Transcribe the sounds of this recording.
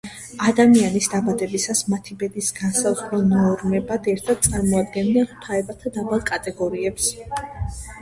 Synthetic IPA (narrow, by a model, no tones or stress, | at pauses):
ad̪amianisd̪abad̪ɛbisasmat̪ʰibɛd̪isɡansazʁɾɛnɔɾmɛbad̪ɛɾt̪ʰad̪̥̚t̪sʼaɾmɔad̪ɡɛnːɛnt̪ʰaɛbat̪ʰad̪abalˠkʼat̪ʼɛɡɔɾiɛps